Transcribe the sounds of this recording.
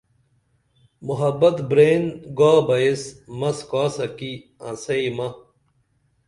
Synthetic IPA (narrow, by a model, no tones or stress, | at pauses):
muɦɐbɐt̪bɾeːnɡaːbɐesmɐskaːsɐkiɐ̰̃sɐimɐ